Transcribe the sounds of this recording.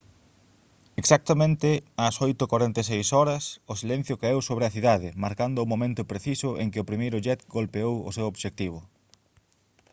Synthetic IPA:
eksak̚t̪ɐmẽnt̪ɪasojt̪okwaɾent̪es̬ejsɔɾɐsʊsilen̟θjʊkaewsoβɾɪɐθiðaðɪmaɾkand̪ʊʊmomẽnt̪ʊpɾeθisʊʔḛŋkɪʊpɾimejɾʊʎɛt̪ɡolpeowʊ̰sewoβʃek̚t̪iβ̞ʊ

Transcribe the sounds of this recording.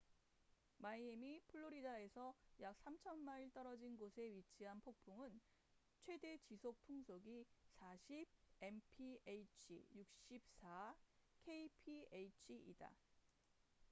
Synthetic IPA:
maiemipʰɯɭːoɾidae̞sʰʌjak̚s͈amt͡ɕʰʌnmaiɭt͈ʌɾʌd͡ʑinɡosʰe̞ɥit͡ɕʰiɦanpʰok̚pʰuŋɯn | t͡ɕʰwe̞de̞t͡ɕisʰok̚tʰuŋsʰoɡisʰaɕʰib̚e̞mpʰiejt͡ɕʰḭjuk̚ɕ͈ip̚s͈ʰakʰeipʰiejt͡ɕʰiḭda̰

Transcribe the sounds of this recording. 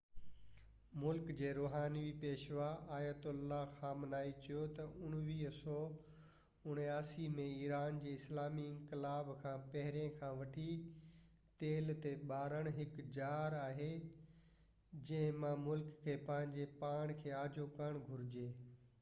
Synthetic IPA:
mʊlkd͡ʑeːɾoːɦaːniʋipeːʃʋaaːjət̪ʊlːaxãːmnaːit͡ɕɐjot̪ɐʔʊɽ̃ʋiːɦsɔ | ʊɽ̃aːsimẽiːɾaːnd͡ʑeːɪslaːmiɪ̃ŋkɪlaːbkʰãːpɐɦɪɾẽkʰãːʋɐʈʰi | t̪eːlt̪eɓaːɾəɽ̃ɦɪkd͡ʑaːɾaːɦe | d͡ʑɐ̃ɦɪ̃mãmʊlkʰːeːpɐ̃ɦɪ̃ɲd͡ʑepaːɽ̃kʰeːaːd͡ʑokɐɽ̃ɡʱʊɾɪd͡ʑeː

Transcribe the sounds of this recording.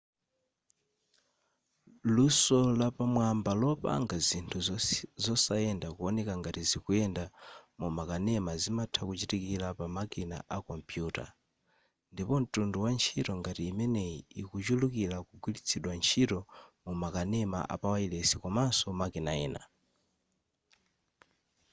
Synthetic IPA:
lusɔlapamwambalɔpa̰ŋɡazintʰuzɔsaɛndakuɔnɛkaŋɡatizikuɛndamumakanɛmazimatʰakut͡ʃitikilapamakina̰ʔakɔmpjuːta̰ | ndipɔn̩tunduwant͡ʃʰitɔŋɡatiːmɛnɛikut͡ʃulukilakuɡwilit͡sʰiɗwant͡ʃʰitɔmumakanɛma̰ʔa̰pawailɛsikɔmasɔmakinaɛːna̰

